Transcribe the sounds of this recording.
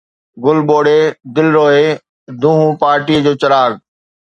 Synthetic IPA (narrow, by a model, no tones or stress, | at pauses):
ɡʊlɓoːɽed̪ɪlɾoːɦe | d̪ʱũːɦũpaːɾʈiəd͡ʑoːt͡ɕɐɾaːɡ